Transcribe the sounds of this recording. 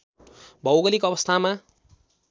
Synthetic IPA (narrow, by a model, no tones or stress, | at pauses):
bʱʌwɡʌlikoʌbʌst̪ʰama